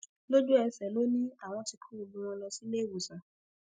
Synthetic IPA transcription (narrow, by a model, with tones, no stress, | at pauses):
lo˦d͡ʒu˦ɛ˧sɛ˨lo˦nĩ˦a˦˨w̃ɔ̃˧ti˧kʰu˦ɾu˧bũ˧w̃ɔ̃˧lɔ˧si˦le˦˨wu˨sa˨